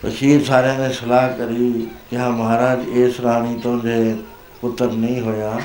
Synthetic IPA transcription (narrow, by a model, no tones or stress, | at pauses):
tɐ̰ʃiːɾsaːɾjãmẽsɐlaːɦkɐɾikɐɦãmɐɦaːɾaːd͡ʑeːsɾaːɽ̃it̪ʊɦə̃ɲd͡ʑeː | kʊt̪əɾnɐĩɦojaː